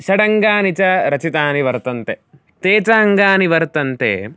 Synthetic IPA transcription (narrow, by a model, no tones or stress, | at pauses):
ʃɐɽɐŋɡaːnit͡ʃɐɾɐt͡ʃit̪aːniʋɐɾt̪ɐnt̪e | t̪eːt͡ʃaːɐŋɡaːniʋɐɾt̪ɐnt̪ḛː